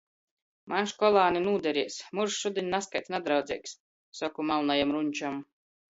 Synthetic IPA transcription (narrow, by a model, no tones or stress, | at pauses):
mʔanʃkɔlˠaːninuːd̪ɛɾiɛsmuɾʃʃud̪iɲʲnaskajt̪sʲnad̪ɾawd̪zʲiɛks | sakumalˠnajamɾuɲʲt͡ʃam